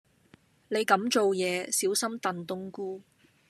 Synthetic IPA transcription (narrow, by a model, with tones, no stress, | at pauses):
ne˨˧jkɐ˨˥mt͡ʃo˨wjɛː˨˧siː˨˥wsɐ˥mt̪ɐ˨nt̪ʊ˥ŋkuː˥